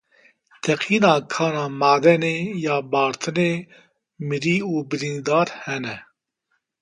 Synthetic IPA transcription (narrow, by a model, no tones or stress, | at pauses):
t̪ʰɛqʰiːnɑːkʰɑːnɑːmaːd̪ɛneːjɑːbɑːɾt̪ʰɨneː | mɨɾiːuːbɨɾiːnd̪ɑːɾhɛnɛ